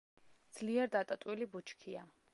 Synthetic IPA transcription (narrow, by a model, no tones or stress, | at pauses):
d̪z̥liɛɾd̪at̪ʼat̪ʼwilibut͡ʃʰkʰia